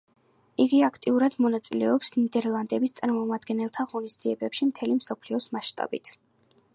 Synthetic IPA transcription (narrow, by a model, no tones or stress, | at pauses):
iɡiakʰt̪ʼiuɾad̪mɔnat̪sʼilɛɔpsnid̪ɛɾlˠand̪ɛbist̪sʼaɾmɔmad̪ɡɛnɛlˠt̪ʰaʁɔnizd̪ziɛbɛpʃimt̪ʰɛlimsɔpʰliɔsmaʃt̪ʼa̰bḭt̪ʰ